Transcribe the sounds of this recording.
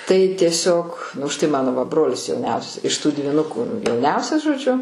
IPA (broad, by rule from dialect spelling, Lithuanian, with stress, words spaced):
tɐɪ tʲiɛˈsʲoːk ʊʃ tɐɪ ˈmɑːnoː ʋɐ ˈbroːlʲɪs jɛʊˈnʲɛʊsʲɛs ɪʃ tuː dʲʋʲiːˈnʊkʊ jɛʊˈnʲɛʊsʲɛs ʒoːˈd͡ʒʲʊ